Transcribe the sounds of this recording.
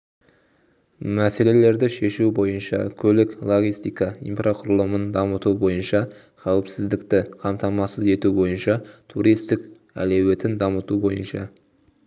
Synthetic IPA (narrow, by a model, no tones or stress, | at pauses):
mæse̞le̞le̞ɾd̪ɪʃe̞ʃubo̞jənʃɑ̰kʲʰɵlɪklˠo̞ɡʲijst̪ijkɑḭjmprʔaqʰʊɾəlˠəmənd̪ɑmət̪ubo̞jənʃɑ | qʰɑwɪpsɪzd̪ɪkt̪ɪqʰɑmt̪ɑmɑsəze̞t̪ubo̞jənʃɑt̪ʰuɾijst̪ɪk | æ̰lewe̞t̪ɪnd̪ɑmət̪ubo̞jənʃɑ̰